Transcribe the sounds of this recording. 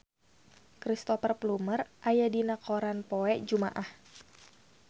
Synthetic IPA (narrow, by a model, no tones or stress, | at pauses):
kɾist̪ɔfərplumərʔajadinakoɾanpoɛʔd͡ʒuma̰ʔah